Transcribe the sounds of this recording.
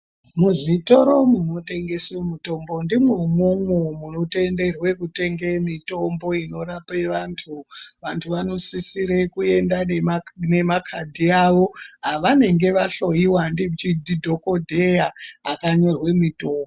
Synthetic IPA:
muʐito̞ɾo̞muno̞te̞ŋɡe̞swomuto̞mbo̞ndimweumoŋwomuno̞te̞nde̞rwe̞kute̞ŋɡemito̞mbo̞ino̞ɾapeʋaːntʰuʋantʰuʋano̞sisiɾekue̞ndane̞makʰadʱiaʋo̞ɦaʋane̞ŋɡe̞ʋaɬo̞jiwandit͡ʃidʱidʱo̞ko̞dʱejaːkaɲo̞rwe̞mito̞ːmboo

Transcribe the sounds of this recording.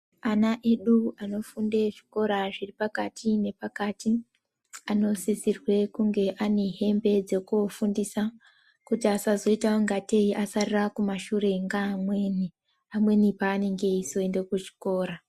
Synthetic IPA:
anaʔe̞ɗuano̞fundeʐiko̞ɾaʐiripakatʰine̞pakati | ano̞sisirwe̞kuŋɡe̞ʔane̞ɦe̞mbe̞d͡ze̞kuofundisa | kutiasazo̞itaoŋɡate̞iʔasarirakumaʃure̞ŋɡamwe̞ːni | amwe̞nipaːne̞ŋɡe̞iso̞ende̞kut͡ʃi̥ko̞ːɾa

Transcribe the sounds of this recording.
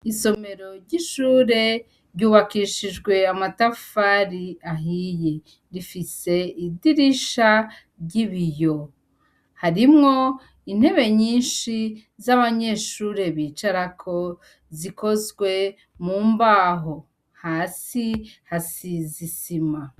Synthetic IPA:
iso̞me̞ɾo̞ɾɟiʃuːɾe̞ | ɾɟuːβakiʃiʒɡwe̞amatafaɾiaɦije | ɾifise̞idiɾiʃa | ɾɟiβijo̞ | haɾimŋo̞ | in̥he̞βe̞ɲiːnʃi | zaβaɲe̞ʃuːɾe̞βiːt͡ʃaɾakʰo̞ | ziko̞zɡwe̞ | muːmbaːɦo̞ | haːsihasizisima

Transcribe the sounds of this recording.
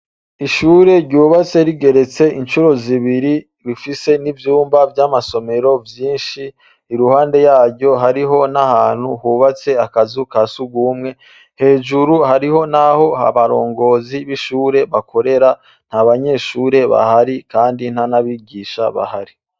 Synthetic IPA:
iʃuːɾe̞ɾɟuːβat͡se̞ɾiɡe̞ɾe̞t͡se̞ʔint͡ʃuɾo̞ziβiɾi | ɾifise̞nivjuːmbavjaːmaso̞me̞ɾo̞vjiːnʃiː | ɾuhaːnde̞jaːɾɟo̞ɦaɾiɦo̞nahaːn̥huhuːβat͡se̞akazukasuɡuːmŋe̞ | he̞ːʒuɾuhaɾiho̞naho̞ha̰βaɾo̞ːŋɡo̞ːziβiʃuːɾe̞βakʰo̞ɾe̞ɾa | n̥haβaɲe̞ːʃuːɾe̞βa̰haɾikaːndin̥hanaβiɡiːʃaβa̰haɾi

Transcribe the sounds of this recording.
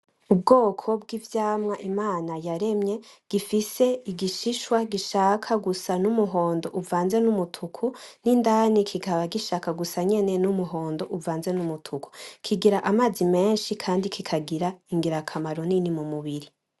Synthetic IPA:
ub̚ɡoːkʰo̞b̚ɡivjaːmŋaʔimaːnajaɾe̞mɲe̞ɡ̥ifise̞iɡiʃiʃwaɡiʃaːkʰaɡusanumuɦoːndo̞ʔuvaːnze̞numutʰukʰunindanikʰiɡaβaɡiʃakaɡusaɲe̞ne̞numuɦoːndo̞ʔuvaːnze̞numutʰukʰu̥kʰiɡiɾaʔamaːzime̞ːnʃikʰaːndikʰikʰaɡiɾaiŋɡiɾakʰamaɾoninimumuβiɾi

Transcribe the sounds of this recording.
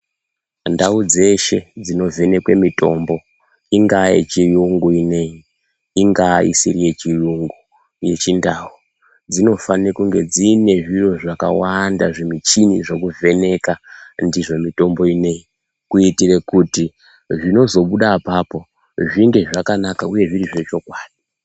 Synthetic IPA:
ndaud͡ze̞ʃe̞d͡zino̞ve̞ne̞kwe̞mito̞mbo̞ | iŋɡajḛt͡ʃijuŋɡuine̞jiː | ŋɡaḭsirije̞t͡ʃijuŋɡu | je̞t͡ʃindau | d͡zino̞fanekuŋɡe̞d͡ziːne̞ʐiro̞ʐaka̰wandaʐimit͡ʃiniʐo̞kuve̞ne̞kandiʐo̞mito̞mbo̞ine̞ji | kuitire̞kuti | ʐino̞zo̞ɓuɗaːpaːpo̞ | ʐiŋɡe̞ʐakanakauje̞ʐiriʐe̞t͡ʃo̞kwaːɗi

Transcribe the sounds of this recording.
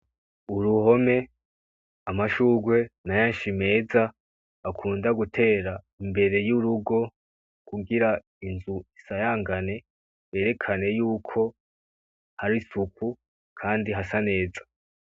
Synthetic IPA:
uɾuho̞me̞ | amaʃuːɡwe̞najanʃime̞ːzaː | kʰuːndaɡutʰe̞ːɾa | imbe̞ɾe̞juɾuɡo̞ | kuɡiɾa | inzuisajaːŋɡane̞ | je̞ːɾe̞kʰane̞juːkʰo̞ | haɾisukʰu | kʰaːndiɦasane̞ːzḁ

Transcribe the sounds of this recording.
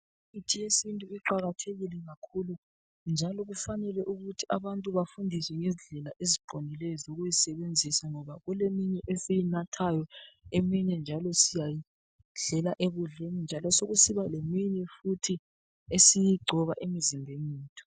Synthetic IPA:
itʰijesintʼuiǃaɣatʰeɣilɛɣakʰulu | nd͡ʒʱalɔɣufanɛlɛʔuɣutʰiʔaβantʼuβafundʱiswɛŋɛziɮɛlaʔeziɡ͡ǃ̥ʱonilɛɔzoɣujisɛβend͡zʱisaŋɔβaɣulemiɲɛʔesijinatʰajɔemiɲɛnd͡ʒʱalɔsijaji | ɮɛlaʔeβuɮenind͡ʒʱalɔsoɣusiβalemiɲɛfutʰi | esijiɡ͡ǀʱɔβaʔemizimbʱeneːtʰʼu̥

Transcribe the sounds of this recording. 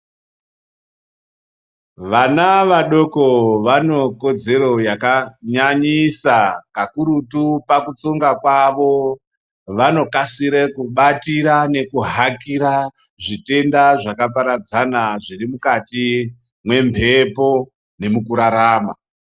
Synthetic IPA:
ʋanaʋaɗo̞koʋano̞ko̞d͡ze̞ɾo̞jakaɲaɲisakakuɾutupakut͡soŋɡakwaʋo̞ | ʋano̞kasiɾekuɓatiɾane̞kuɦakiɾa | ʐite̞ndaʐakap̬aɾad͡zanaʐirimukati | mwe̞mpʰe̞po̞ | ne̞mukuɾaɾaːma̰

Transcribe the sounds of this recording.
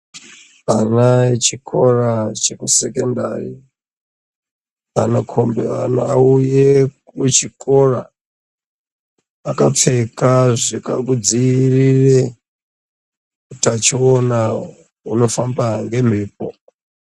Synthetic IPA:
anaet͡ʃikʰo̞rat͡ʃekusekendari | anakʰombeanauje | et͡ʃikʰo̞ra | akap͡fekaʐikakud͡zirire | kutat͡ʃiona | uno̞fambaŋɡe̞m̤eːp̚o̰

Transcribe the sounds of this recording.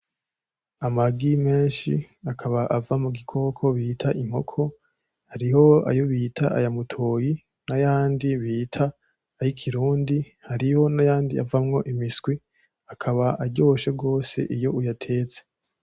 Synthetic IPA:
amaɡime̞ːnʃiakʰaβaʔavamuɡikʰo̞ːkʰo̞βiːtʰaʔim̥ho̞̰kʰo̞ | haɾiɦo̞a̰jo̞βitʰaa̰jamutʰoːji | najaːndiβiːtʰaː | jikʰiɾuːndi | haɾiho̞najaːndia̰vamŋo̞ʔimisɡ̥wi | akʰaβaʔaɾɟo̞ːʃeɡo̞ːse̞̰ʔijo̞ujatʰe̞ːt͡se

